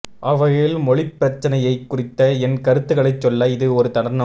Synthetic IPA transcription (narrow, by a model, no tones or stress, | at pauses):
ʔɐʋɐɻɪlmɔɭɪpːɪɾɐt͡ʃːɐnɐjɐɪkːʊrɪt̪ːɐɛnkɐɾɯt̪ːɯɣɐɭɐɪt͡ʃːɔlːɐɪðɯɔɾɯt̪ɐɳɐɾnɐ